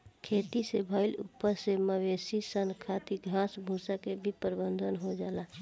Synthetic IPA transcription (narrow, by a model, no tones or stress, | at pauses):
kʰet̪isebʱəɪlṵpːəɾseməʋesisənkʰat̪iɡʱãsbʱũsakebʱipəɾbənd̪ʱənɦod͡ʒaːla